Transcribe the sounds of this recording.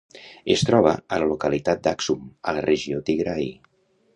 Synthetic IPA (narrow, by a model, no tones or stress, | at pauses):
est̪ɾɔβ̞əələlukəlit̪at̪̚d̪aksumələrʔeʒiot̪iɣɾaj